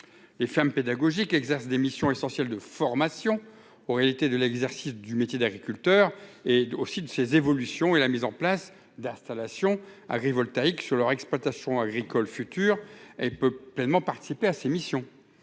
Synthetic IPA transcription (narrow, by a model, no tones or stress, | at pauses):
lefɛʁmped̪aɡɔʒikɛɡzɛʁsd̪emisjɔ̃esɑ̃sjɛld̪əfɔʁmasjɔ̃ | oʁealit̪ed̪əlɛɡzɛʁsisd̪ymet̪jed̪aɡʁikʲylt̪œʁeosid̪əsezevɔlysjɔ̃elamizɑ̃plas | d̪ɛ̃st̪alasjɔ̃a̰ɡʁivɔlt̪aiksyʁlœʁɛksplwat̪asjɔ̃aɡʁikɔlfyt̪yːʁɛlpøplɛnmɑ̃paʁt̪i̥sipeasemisjɔ̃